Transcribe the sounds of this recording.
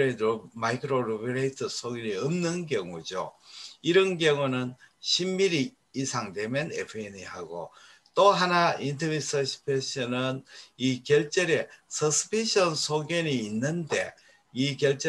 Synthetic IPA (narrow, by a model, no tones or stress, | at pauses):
emaikʰɯɾoɾubiɾeitʰʌsʰoɡeniʌmnɯnkjʌŋud͡ʑo̰iɾɯnɡjʌŋunɯnɕʰimːiɾiː | sʰaŋdemjʌnḛpʰɯenihaɡo̰ | t͈oɦanaintʰɯmisʰʌɕʰi̥pʰeɕʌnɯnikjʌɭt͡ɕ͈eɾe̞sʰʌsʰɯ̥pʰiɕʰʌnsʰoɡjʌniːnːɯnde̞̰ | ikjʌɭt͡ɕ͈e